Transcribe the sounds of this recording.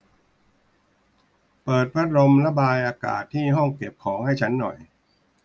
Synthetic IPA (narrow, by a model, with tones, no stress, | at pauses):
pɤː˨˩t̪̚pʰɾa˦˥t̪̚ɾo˧mla˦˥baː˧jʔaː˧ka̰ː˨˩t̪ʰːiː˥˩ɦɔ˥˩ŋke˨˩p̚kʰɔː˩˦ŋha˥˩jt͡ɕʰa˦˥nːɔ̰˨˩j